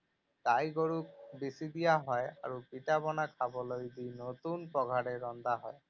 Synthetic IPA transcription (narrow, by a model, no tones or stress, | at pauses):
tajɡoɹuk̚bisid̪ijaɦɔja̰ɹupitabɔnakʰabɔlojdinot̪unpɔɡʱaɾɛɹɔnd̪aɦɔj